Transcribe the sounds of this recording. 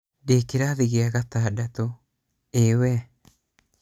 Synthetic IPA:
dekɪɾaːðɪɣiaɣat̪aːdat̪o | eːwɛ

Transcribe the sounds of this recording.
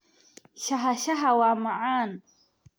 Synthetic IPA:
ʃaɦaʃaɦawamaʕan

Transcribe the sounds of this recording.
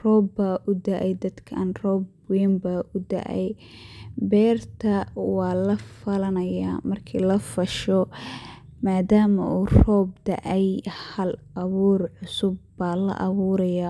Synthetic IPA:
rɔːbːaːʔʊd̪ɐʔɛjd̪ɐd̪kʰɐɐnrɔːb | wiːmbaʔʊd̪ɐ̰ʔɛ̰j | bɛːrt̪ʰɐwɑːlɐfɐlɐnɐja̰ːmɐrkʰiːlɐfɐʃɔ | maːd̪aːmɐ̰ʔuːrɔːb̚d̪ɐ̰ʔɛjhɐlʔɐβuːrʕʊsʊbːaːlɐ̰ʔɐβuːɾɐjaː

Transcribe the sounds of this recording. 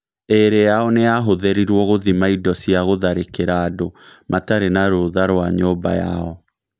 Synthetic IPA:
eɾejaɔneaɦoðɛɾiɾwɔɣoðimaidɔsiaɣoðaɾekeɾaːdomataɾenaɾoðaɾwaɲoːba̰ja̰ɔ

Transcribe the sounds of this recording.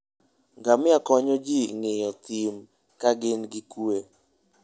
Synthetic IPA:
ŋɡamɪakɔɲɔd͡ʒiŋɪjɔt̪im | kaɡɪnɡɪkue

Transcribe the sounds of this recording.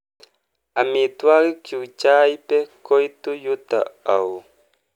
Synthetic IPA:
amit̪waɾikit͡ʃajpekojt̪ujut̪a̰aw

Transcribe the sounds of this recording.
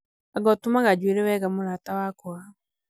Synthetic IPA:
aɡɔtumaɣad͡ʒweɾɛwɛɣamoɾatawakɔa

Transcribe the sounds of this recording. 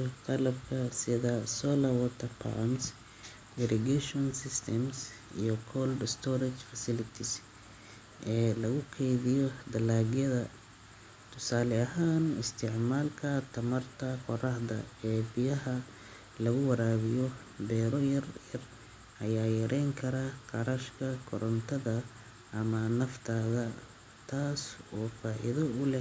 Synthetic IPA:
t̪ʰɐlɐbkʰɐsɪðɐsɔːlɐwɔt̪ʰɐpʰa̰ms | ɪɾɛɡɛʃɔnsɪst̪ʰɛms | ḭjɔkʰɔldst̪ʰɔɾɐt͡ʃfɐsɪlɪt̪ʰɪs | ʔɛːlɐɣʊkʰɛjðɪjɔd̪ɐlaːɣjɐðɐ | t̪ʰʊsaːlɛɐɦaːnɪst̪ʰɪʕmaːlkʰɐt̪ʰɐmɐrt̪ʰɐqɔrɐhd̪ɐ̰ɛːbɪjɐɦɐ | lɐɣʊwɐɾaːβɪjɔ | bɛːɾɔjɐrjɐr | ʔɐjaːjɐɾʔɛjŋkʰɐɾɐqɑɾɐʃkʰɐkʰɔɾɔnt̪ʰɐðɐ | ʔɐmɐnɐft̪ʰaːðɐ | t̪ʰaːsɔːfaːʔɪ̰ðɐʊlɛ

